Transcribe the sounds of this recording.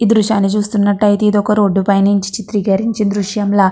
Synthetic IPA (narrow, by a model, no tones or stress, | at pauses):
id̪ɾuʃaːnːit͡ʃuːst̪unːɐʈːɐit̪id̪ɔkɐɾoːɖːupɐjniɲt͡ʃi̥t͡ʃit̪ɾiɡɐɾiɲt͡ʃid̪ɾuʂjɐmla